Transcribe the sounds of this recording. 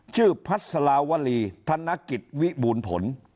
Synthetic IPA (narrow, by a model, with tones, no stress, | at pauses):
t͡ɕʰɯː˥˩pʰa˦˥t̪̚sa˧laː˧wa˧˥liː˧t̪ʰa˧˥nːa˦˥ki˨˩t̪̚wi˦˥buː˧npʰo̰˩˦n